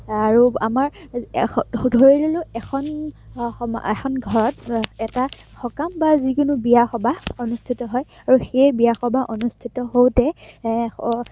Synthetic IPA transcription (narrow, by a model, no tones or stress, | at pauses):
aɹuamaɹ | dʱoɹilolʊɛkʰɔn | ɛ̰kʰɔnɡʱɔɹɔt̚ɛta | xɔkambazikʊnubijaxɔbaonustʰitɔɦɔj | aɹuxejbijaxɔbʱaʔonustʰitɔɦowtɛ